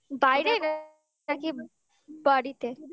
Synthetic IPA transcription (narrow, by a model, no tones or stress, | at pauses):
bajɾeɾ | aki | bəɽit̪e